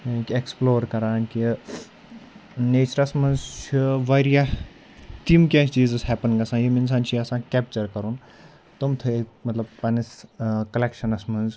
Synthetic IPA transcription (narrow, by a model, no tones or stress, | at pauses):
keksploːɾkɐɾaːnki | neːt͡ʃɐɾɐsmɐnzt͡ʃʰiʋaɾija | t̪imkʲaːt͡ʃiːzɨshɛpənŋɡɐsãːjimins̬ãːnt͡ʃʰiɐsãːkʲɛp̚t͡ʃɐɾkɐɾun | t̪umt̪ʰɨekmɐt̪lɐbpɐniskɐlekʃɐnɐsmɐnz